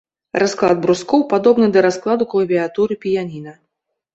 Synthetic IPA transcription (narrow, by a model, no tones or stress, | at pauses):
rasklˠa̰d̪̚bɾuskɔwpad̪ɔbnɨd̪ɐɾasklˠad̪uklˠɐvʲiat̪uɾɨpʲijanʲinɐ